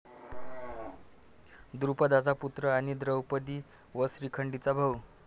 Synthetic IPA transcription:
d̪ɾupəd̪ad͡zaput̪ɾəaɽ̃id̪ɾəwpəd̪iː | ʋəsɾikʰəɳɖit͡sabʱəw

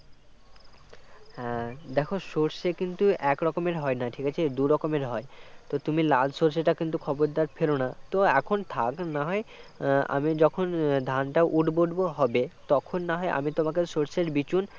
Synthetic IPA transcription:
hɛ̃d̪ɛkʰoʃoɾʃekint̪uɛkɾɔkomeɾɦɔenaʈʰikat͡ɕʰed̪uɾɔkomeɾɦɔet̪ot̪umiladʃoɾs̬eʈakint̪ukʰɔboɾd̪aɾfʰelonat̪oɛkʰont̪ʰaknaɦɔea̰mid͡ʑɔkʰond̪ʱanʈaoʔuʈboɖboɦɔbet̪ɔkʰonːaɦɔeʔa̰mit̪omakeʃoɾseɾbit͡ɕun

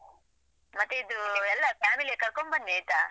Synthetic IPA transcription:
mɐt̪ːeid̪uɛlːɐpʰaːmiliekɐɾkombɐnːiejt̪a

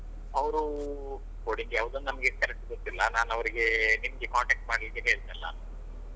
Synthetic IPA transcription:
ɐʋɾu | koːɽiŋɡejɐʋd̪ɐnnɐmɐɡekɐɾek̚ʈɡot̪ːilːɐnaːnɐʋɐɾiɡe̞nimɐɡekaːɳʈek̚ʈ̚maːɽlid̪eːniɦeːɭd̪nɐlːɐ̰

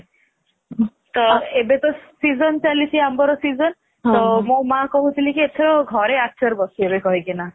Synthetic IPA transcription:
t̪ɔebet̪ɔsizɔnt͡ʃalit͡ʃʰiambɔɾɔsizɔn | t̪ɔmõmakɔɦut̪ʰilikiet̪ʰɔɾɔɡʱɔɾeatːʃaɾbɔsiebekɔɦikina

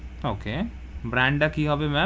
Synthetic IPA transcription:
oːke | bɾɛ̃ːɳɖakiɦɐbemɛ̃

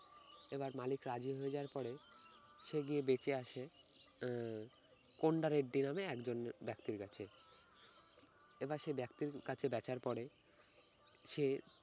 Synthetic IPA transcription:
ebaɾmalikɾad͡ʑiɦoed͡ʑaaɾpɔɾe | ʃeɡiebet͡ɕeaʃe | koɳɖaɾeɖːinameɛkd͡ʑonbɛkt̪iɾkat͡ɕʰe | ebaɾʃebɛkt̪iɾkat͡ɕʰebɛt͡ɕaɾpɔɽe | ʃe

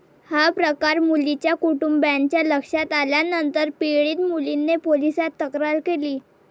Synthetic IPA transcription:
hapɾəkaɾmulit͡ɕjakuʈumbjant͡ɕjaləkʂat̪aljanənt̪əɾpeɭiːt̪mulinːepolisat̪ːəkɾaɾkeliː

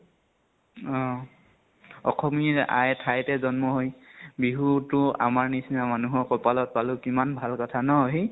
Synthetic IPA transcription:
ɔ̃ | ɔxʰɔmiɹa̰jtʰajtɛzɔnmɔɦojbiɦutʊa̰maɹnisinamanuɦɔɹkɔpalɔt̚palʊkimanbʱalkɔtʰanɔoɦi

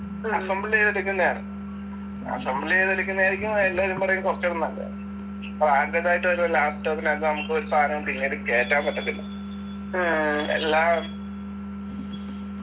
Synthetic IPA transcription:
aːsɐmbileːðeɽukʲːunːɐaːɳɨ̰ | a̰sɐmbilieːðeɽukʲːunːɐaːjɾikʲːumːelːaːɐɾumpɐrɐjumkorɐt͡ɕːɐɽunːɐlːɡɐ̰ | praːɾtɐtːaːjiʈːoɾulaːpʈoːkːinaːt̪ːɐɐmɐkːɨoɾupaːɾɐpinːioɾɨke̞ːtːaːmpeʈːɐt̪ːilːɐ | ḛlːaːm

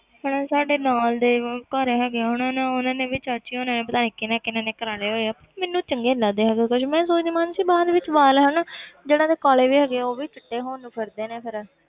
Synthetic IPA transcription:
ɦʊɽ̃ãːsaːɖeːnaːld̪eːkəɾɦɛːɡeaːɦʊnãːnãːʊnãːneːʋɪt͡ʃət͡ʃʰiːʊnãːneːpət̪aːnẽːkɪnɛ̃ːkɪnãːneːkəɾaːɽeːɦoːeaːpəmẽːnːũːt͡ʃəŋɡeːlãːd̪eːɦɛːɡeːkʊʃmɛ̃ːsoːt͡ʃimaːnsiːbaːd̪ʋɪt͡ʃʋaːlɦənːd͡ʒeːɽãːd̪eːkaːleːʋiːɦɛːɡeɛːoːʋiːt͡ʃəʈːeːɦoːnpʰəɾd̪eːneːpʰɪɾ

